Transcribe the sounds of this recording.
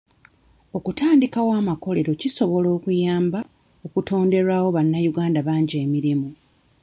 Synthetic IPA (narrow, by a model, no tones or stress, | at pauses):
o̞kutaːndikawaːmako̞le̞ɾo̞ciso̞βo̞lo̞ːkujaːmba | o̞kuto̞ːnde̞ɾawo̞βanːajuɡaːndaβaːɲɟeːmiɾimu